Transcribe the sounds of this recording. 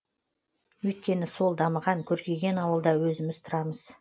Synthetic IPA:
wɵjt̪̚kʲe̞nɪso̞lˠd̪ɑməʁɑŋkʲʰɵɾkʲe̞ɡʲe̞nɑwəlˠd̪ɑwɵzɪmɪzt̪ʰʊɾɑməz̥

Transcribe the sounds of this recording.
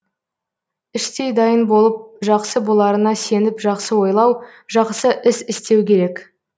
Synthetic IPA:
ɪʃt̪e̞jd̪ɑjənbo̞lˠəp̚ʒɑqsəbolˠɑɾənɑse̞nɪpʒɑqsəwo̞jlˠɑw | ʒɑqsəʔɪsɪst̪e̞wkʲe̞ɾe̞k

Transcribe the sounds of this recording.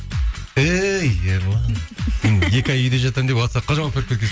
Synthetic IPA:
ejeɾlˠɑnsenje̞kʲɑjʏjd̪e̞ʒɑt̪ɑmd̪epɑsɑqʰːɑʒɑmɑpʰøɾkʲet̪k̬ʲe

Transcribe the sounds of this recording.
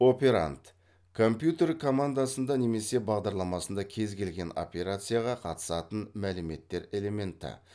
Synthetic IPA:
o̞pʲe̞ɾa̰nt̪ | kʰo̞mpjut̪e̞rkʰo̞mand̪asənd̪ɑne̞me̞se̞bɑʁd̪ɑɾlˠɑmɑsənd̪ɑkʲʰe̞zɡʲe̞lɡʲe̞no̞̰pʲe̞ɾat̪sɨjaʁɑqʰɑt̪ə̥sɑt̪ənmælɪme̞t̪ːe̞ɾe̞le̞me̞nt̪ɪ̰

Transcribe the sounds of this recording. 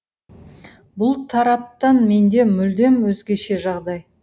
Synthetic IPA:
bʊlˠt̪ʰɑɾɑp̚t̪ɑnme̞nd̪e̞mʏld̪e̞mwɵzɡʲe̞ʃe̞ʒɑʁd̪ɑj

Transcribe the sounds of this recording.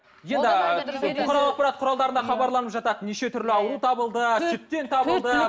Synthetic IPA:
je̞nd̪ɪʊχɑɾɑlˠɑq̚pɑɾɑt̪̚qʰʊɾɑlˠd̪ɑɾənɑχɑbɑɾlˠɑnəpʒɑt̪ɑt̪neʃe̞t̪ʰʏɾlɪɑwɾut̪ʰɑbəlˠd̪əʒʰʏt̪̚t̪ːe̞nt̪ʰɑbəlˠd̪ə

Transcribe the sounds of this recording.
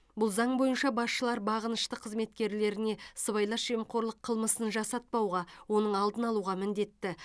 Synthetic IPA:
bʊlˠzɑɴbo̞jənʃɑbɑsʃəlˠɑɾbɑʁənəʃt̪əqʰəzme̞t̪kʲe̞ɾle̞ɾɪne̞səβɑjlˠɑʒemqʰo̞ɾlˠəqʰəlˠməsənʒɑsɑt̪̚pɑwʁɑwo̞nəɴɑlˠd̪ənɑlˠuʁɑmɪnd̪e̞t̪ːɪ

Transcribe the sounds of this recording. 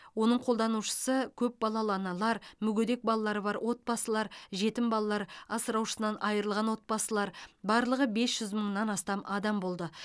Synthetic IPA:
wo̞nəɴqʰo̞lˠd̪ɑnuʃə̥səkʲʰɵp̚bɑlˠɑlˠɑnɑlˠɑɾmʏɡʲɵd̪e̞k̚bɑlˠɑlˠɑɾəbɑɾwʔo̞t̪̚bɑsəlˠɑɾʒe̞t̪ɪmbɑlˠɑlˠɑɾɑsəɾɑwʃə̥sənɑnʔɑjəɾəlˠʁɑnwo̞t̪̚pɑsəlˠɑɾbɑɾlˠəʁəbe̞sʒ̥ʏzməɴnɑnɑst̪ɑmʔɑd̪ɑmbo̞lˠd̪ə

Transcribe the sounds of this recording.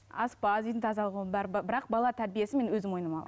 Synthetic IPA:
ɑspɑd̪ijd̪ɪŋt̪ʰɑzɑlˠʁubæɾbɑbɪɾɑq̚bɑlˠɑt̪ʰæɾbije̞sɪme̞nwɵzɪmwo̞jənəmɑlˠɑ

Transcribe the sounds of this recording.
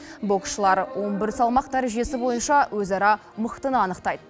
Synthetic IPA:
bo̞kʃəlˠɑɾwʔo̞nbɪɾsɑlˠmɑq̚d̪æɾeʒe̞sɪbo̞jənʃɑwʔɵzɑɾɑ | məqt̪ənəɑnəqt̪ɑjd̪ə

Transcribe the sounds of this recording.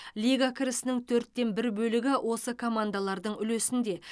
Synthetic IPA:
lijɡakʲʰɪɾɪsɪnɪŋt̪ʰɵɾt̪ːe̞nbɪɾbɵlɪɡʲɪwʔo̞səkʰo̞mand̪alˠɑɾd̪əɴʏlesɪnd̪e̞

